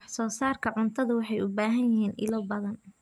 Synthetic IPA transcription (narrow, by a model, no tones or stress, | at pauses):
ħsɔːsaːrkʰɐʕʊnt̪ʰɐðʊwɑħɑjʊbaːɦɐnjɪɦiːnʔɪ̰lɔbɐðɐn